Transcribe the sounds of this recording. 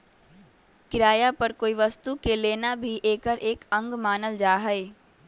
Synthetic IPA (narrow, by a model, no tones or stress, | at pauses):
kɪɾaːjapɐɾkoːiʋɐst̪ukeleːnabʱiʔeːkəɾʔeːkɐ̃ŋɡmaːnəld͡ʒaːɦəeː